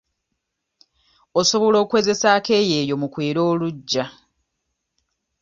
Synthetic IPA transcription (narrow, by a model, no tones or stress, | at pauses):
oso̞βo̞lo̞ːkuwe̞ːze̞saːke̞ːjeːjo̞mukwe̞ːɾo̞ːluɟːa